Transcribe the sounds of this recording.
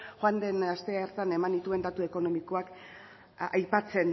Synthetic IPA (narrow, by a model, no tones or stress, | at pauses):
xwand̪e̞nast̪e̞eɾt̪ane̞mand̪it̪ue̞nd̪at̪ue̞ko̞no̞miko̞ak | ajpat͡se̞n